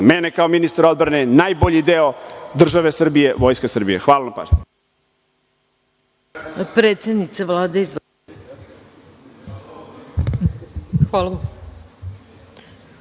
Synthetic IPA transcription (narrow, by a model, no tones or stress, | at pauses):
menekaominist̪aɾo̞d̪bɾanenaːjboʎid̪eo̞d̪r̩ʒaʋe̞sr̩bije̞ʋojskasr̩bijḛxʋaːlanapa̰ːʒɲe | pɾet̪sed̪nit̪saʋlˠaːd̪eiz | xal